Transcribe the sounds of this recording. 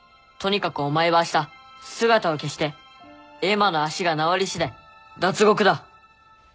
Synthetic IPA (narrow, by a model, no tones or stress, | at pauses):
t̪o̞ɲ̟ikakɯ̟omaeβaɕi̥t̪asɨɡat̪ao̞ke̞ɕi̥t̪e̞ | emano̞aɕiɡanaoɾʲiɕid̪e̞ | d̪at͡sɨɡo̞kɯ̟d̪a